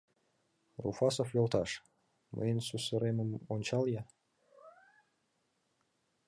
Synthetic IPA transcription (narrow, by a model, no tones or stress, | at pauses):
rṵfɑsoflʲolt̪ɑʃ | mʔə̰jənsusə̆ɾeməmonʲt͡ɕɑljɑ